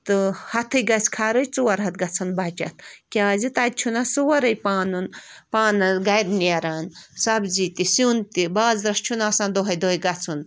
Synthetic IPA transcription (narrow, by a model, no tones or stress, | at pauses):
t̪ɨhɐt̪ʰɨjɡɐt͡sʰʲkʰaːɾɐjt͡sɨwɐɾɦɐt̪ɡɐt͡sʰɐnbaːt͡ʃɐ̰t̪̚kʲaːzit̪aːd̪̚t͡ʃʰunasɨwɐɾɐjpaːnunpaːnɐɡɐjd̪neɾaːnsɐbzit̪isunt̪ibaːzɾɐst͡ʃʰunaːsãːnd̪oɦɐjd̪oːɦɐjɡɐt͡sʰun